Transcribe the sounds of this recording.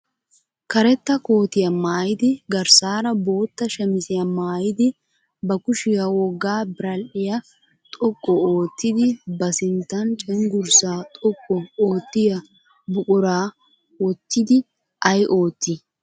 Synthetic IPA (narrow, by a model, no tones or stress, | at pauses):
kɐɾɛt̪ːɐko̞ːt̪ɪjɐmaːjɪd̪ɪɡɐɾsaːɾɐbo̞ːt̪ːɐʃɛmɪsɪjɐmaːjɪd̪ɪ | bɐkʊʃɪjɐwɔɡːaːbɪɾɐlʔɪjɐ | t̪ʼɔkʼːɔoːt̪ːɪd̪ɪbɐsɪnt̪ːɐnt͡ʃʼɛŋɡʊɾsaːt̪ʼɔkʼːɔoːt̪ːɪjɐ | bʊkʼʊɾaː | wɔt̪ːɪd̪ɪ | ʔɐjʔo̞ːt̪ːɪ